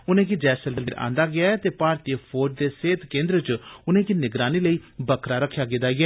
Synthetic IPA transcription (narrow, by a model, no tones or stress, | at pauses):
ʊnẽːkid͡ʒɛːsəlɖəlɪɾã̰ːnd̪aːɡɪaːɛːt̪eːpaːɾt̪iəpʰoːɾd͡ʒd̪eːseːt̪kẽːnd̪ɾət͡ʃʊnẽːkiːnɪɡɾaːniːləiːbəkʰɾaːɾəkʰːjaːɡɪd̪aːɡɪaː